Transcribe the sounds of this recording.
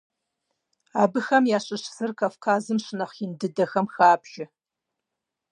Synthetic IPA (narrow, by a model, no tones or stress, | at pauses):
aːbɨxɐmjaːɕʼɨʃsɨrkʰɐfkʰaːzɨmɕɨnɐχɪndɨdɐxɐmxaːpʰʒ̥ɪ